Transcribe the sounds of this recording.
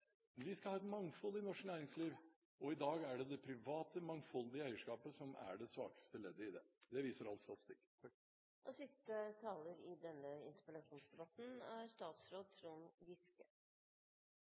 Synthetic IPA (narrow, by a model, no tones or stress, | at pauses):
ʋɪskɑhɑːɛt̪mɑŋfɔlːɪnɔʂknæːɾɪŋsliːʋ | ɔɪd̪ɑːɡæɖɛd̪ɛpʰɾɪʋɑːt̪əmɑŋfɔld̪ɪəæɪəʂkɑːpəsɔmæ̰ɖɛsʋɑ̰ːkə̥st̪əleːd̪ːəɪd̪ɛd̪ɛʋiːsəɾɑlst̪ɑt̪ɪ̥st̪ɪkː | ʔɔsɪst̪ət̪ʰɑːləɾɪd̪ɛnːəɪ̰nt̪əɾpəlɑʂuːnsd̪ɛbɑt̪n̩æɾst̪ɑːt̪sɾoːd̪̚t̪ʰɾuːnʋɪskə